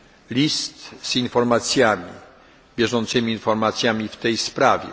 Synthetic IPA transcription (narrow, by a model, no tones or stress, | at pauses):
lʲist̪z̥infɔɾmat̪sʲjamʲḭ | bʲjɛʐɔnt̪sɘmʲiːnfɔɾmat̪sʲjamʲift̪ɛjspɾavʲjɛ̰